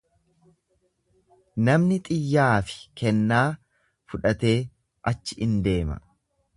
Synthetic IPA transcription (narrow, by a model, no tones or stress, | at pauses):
nɐmnɪt̪ʼɪjːaːfɪ̥kɛnːaː | fʊᶑɐt̪e̞ː | ʔɐt͡ʃːɪʔɪnd̪e̞ːmɐ̰